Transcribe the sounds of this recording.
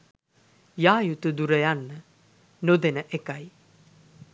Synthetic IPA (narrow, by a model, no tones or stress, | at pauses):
jaːjut̪ud̪uɾəjanːə | nod̪enəʔekaj